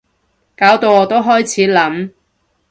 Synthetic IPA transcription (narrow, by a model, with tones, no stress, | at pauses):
kaː˨˥wt̪o˧wɔː˨˧t̪o˥wɦɔː˥jt͡sʰiː˨˥lɐ˨˥m